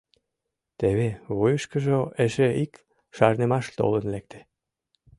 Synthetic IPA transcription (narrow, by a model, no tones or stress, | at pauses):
t̪eβeβujəʃkəʒoeʃeik | ʃɑrnemɑʃt̪o̰lənlek̚t̪ʰe̥